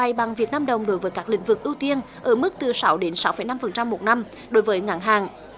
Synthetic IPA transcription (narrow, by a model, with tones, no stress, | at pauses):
a˨˩jɓa˨˩ŋvi˨˩ək̚naː˧mɗə˨˩wŋ͡mɗo˨˦jvəː˨˦jkaː˦˥k̚lï˧˩˦ŋ̟vɨ˨˩k̚ʔi˧wt̪i˧ən | ʔəː˧˩mɨ˦˥k̚t̪ɨ˨˩sa˨˦wɗe˨˦nsa˨˦wfə̰˧˩jna˧mfə˨˩nt͡ɕa˧mːo˨˩t̚na˧m | ɗo˨˦jvəː˨˦jŋa̰ː˨˩ŋɦaː˨˩ŋ